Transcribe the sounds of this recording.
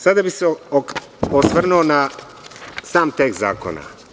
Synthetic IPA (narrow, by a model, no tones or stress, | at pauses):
sad̪abiseo | osʋr̩nuona | saːmt̪ek̪za̰ːko̰na̰